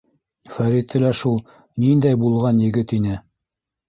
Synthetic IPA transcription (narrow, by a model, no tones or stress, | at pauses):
fæɾit̪ɘ̆læʃulˠ | nind̪æjbulˠʁɑnjɘ̆ɡɘt̪inɘ